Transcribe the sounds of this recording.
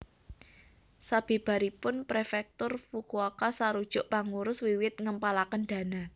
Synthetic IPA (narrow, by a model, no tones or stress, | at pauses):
sab̥i̤b̥a̤ɾipʊnpɾefɛk̚t̪ʊrfukuakasaɾud̥ʒ̥ʊʔpaŋuɾʊswiwɪt̪̚ŋəmpalakənɖ̪̥a̤na